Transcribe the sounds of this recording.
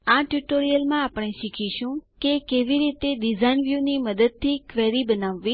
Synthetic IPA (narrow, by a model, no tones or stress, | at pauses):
aʈjuʈoɾijəlmãapəɽ̃eʃikʰiʃũkekeʋiɾit̪eɖizainʋjuniməd̪əd̪̚t̪ʰːikʋeɾibənaʋːi